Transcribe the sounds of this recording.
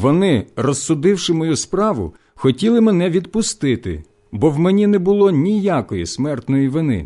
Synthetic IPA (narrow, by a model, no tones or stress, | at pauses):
ʋɔnɪrɔsːʊd̪ɪwʃɪmɔjuspɾɑʋʊ̰ | xɔtʲilˠɪmɛnɛʋʲid̪pʊst̪ɪt̪ɪ̰ | bɔwmenʲinɛbʊlˠɔnʲijakɔjismɛrt̪nɔjiʋɪnɪ̰